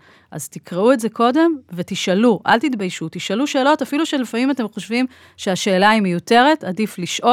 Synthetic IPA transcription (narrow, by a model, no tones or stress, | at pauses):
ʔa̰ztikʁeuetze̞ko̞de̞mvetiʃaluʔa̰lt̪itbajʃutiʃaluʃe̞ːlo̞tafiluʃelefamimate̞mχoʃvim | ʃeaʃe̞ːlaimejute̞ʁe̞tadifliʃʔo